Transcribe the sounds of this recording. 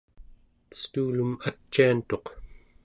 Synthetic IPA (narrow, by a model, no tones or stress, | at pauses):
st̪uːlumat͡ʃːiant̪o̞q